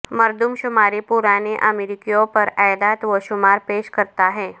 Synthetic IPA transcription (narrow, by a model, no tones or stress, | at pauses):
məɾd̪umɕumaɾipuɾaneʔəmeɾikijõpəɾajlat̪ʋəɕumaɾpeɕkəɾt̪aɦɛ̃